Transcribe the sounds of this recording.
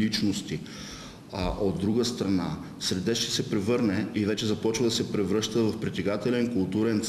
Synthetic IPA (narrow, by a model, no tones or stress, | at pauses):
it͡ʃnost̪i | ʔod̪ːɾuɡəst̪ɾɐna̰ | sɾɛd̪ɛʃt̪ɛ̥sɛpɾɛvɤɾnɛivɛt͡ʃɛzɐpɔt͡ʃvɐd̪ɐsɛpɾɛvɾɤʃt̪əvɐfpɾit̪ʲɛɡat̪ɛlɛnkʊlˠt̪uɾɛnt̪s